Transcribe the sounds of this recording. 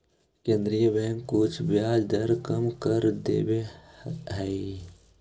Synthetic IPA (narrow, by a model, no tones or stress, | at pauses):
kẽːnd̪ɾijəbɛŋkʊt͡ʃʰbjaːd͡ʒd̪ɐɾkəmkəɾd̪ḛːbe | ɦɛi